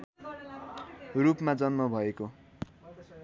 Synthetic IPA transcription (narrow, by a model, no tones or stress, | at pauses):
rupmad͡zʌnmʌbʱʌeko